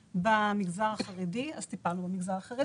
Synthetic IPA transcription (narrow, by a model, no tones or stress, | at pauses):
bamiɡzaʁaχaʁidiaz̥t̪ipalnubamiɡzaʁaχaʁi